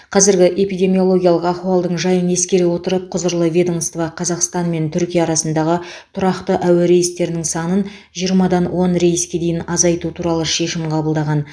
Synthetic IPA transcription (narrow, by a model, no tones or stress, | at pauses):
qʰɑzɪɾɡʲɪʔe̞pijd̪ʲe̞mijo̞lˠo̞ɡʲijɑlˠəqɑχuɑlˠd̪əɴʒɑjəne̞skʲe̞ɾewo̞t̪əɾəp̚qʰʊzəɾlˠəvʲe̞d̪onst̪vɑqʰɑzɑqst̪ɑnme̞nt̪ʰʏɾkʲijɑːɾɑsənd̪ɑʁət̪ʰʊɾɑqt̪əʔæweɾe̞jɪst̪e̞ɾnɪŋsɑnən | ʒijəɾmɑd̪ɑnwʔo̞nɾe̞jɪskʲe̞d̪e̞jɪnɑzɑjt̪ut̪ʰuɾɑlˠəʃe̞ʃɪmqʰɑbəlˠd̪ɑʁɑn